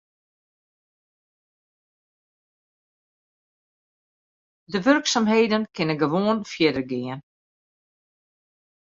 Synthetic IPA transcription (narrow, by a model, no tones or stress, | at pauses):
dəʋørksamɦeːdənkʰɪnənɡəʋoːənfjɛdərɡɪən